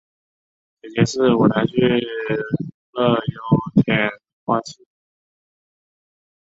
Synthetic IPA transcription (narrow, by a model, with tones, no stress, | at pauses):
t͡ɕɛ˨˩t͡ɕjɛ˧˥ʂɻ̩˥˩wɔ˨˩na˧˥t͡ɕʰy˥˧˥ | lɤ˥˧˩jo˧˥ʊt̪ʰjɛ˨˩n˧xwa˥˧t͡ɕʰi˥